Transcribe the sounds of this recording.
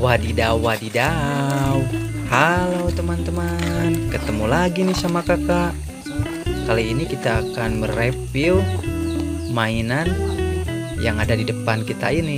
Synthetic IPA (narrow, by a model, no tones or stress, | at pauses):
wadidawadidaw | halot̪əmant̪əmankət̪əmulaɡinɪhsamakakaʔ | kaliinikit̪aːkanməɾepil | mainan | jaŋadadidəpankit̪a̰inɪ